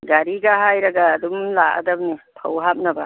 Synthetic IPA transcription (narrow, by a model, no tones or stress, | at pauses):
ɡaɾiɡaɦajɾaɡaːdumlaʔa̰d̪ab̚nitʰawɦap̚naba